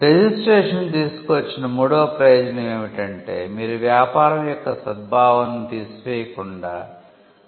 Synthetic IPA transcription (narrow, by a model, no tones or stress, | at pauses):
ɾe̞d͡ʒisʈɾeːʂɐnt̪iːsu̥kuʋɐt͡ʃːinɐmuːɽoːpɾɐjoːd͡ʒɐnɐeːʋiʈɐɳʈe̞̰ːmiːɾuʋjaːpaːɾɐmjɔkːɐsɐd̪̚bʱaːʋɐnt̪iːsu̥ʋeːjɐkuɳɖaː